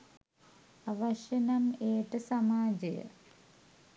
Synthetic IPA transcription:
ɐʋɐʂɐnɐmeːʈːɨsɐmaːd͡ʑɐjɐ̰

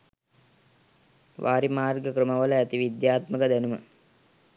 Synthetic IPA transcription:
ʋʔaːɾimaːrɡəkrəməʋələæt̪iʋid̪jaːt̪məkəd̪ænumə

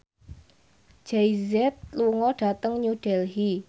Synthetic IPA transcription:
d͡ʒ̥ejzɛt̪̚luŋɔɖ̥a̤t̪əŋɲuɖ̥ɛlɦi

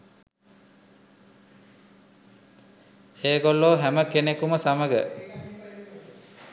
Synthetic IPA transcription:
eːɡolːoːɦæməkenekuməsaməɡə

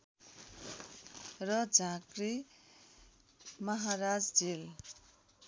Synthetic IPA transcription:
rʌd͡zʱãɡri | mʌɦaɾad͡zd͡zel

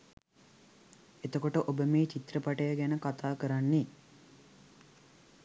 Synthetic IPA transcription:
et̪əkoʈəʔobəmiːt͡ʃit̪rəpaʈəjaɡænəkat̪aːkəɾanːi

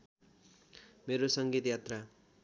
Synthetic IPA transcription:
meɾosʌŋɡit̪jat̪ra

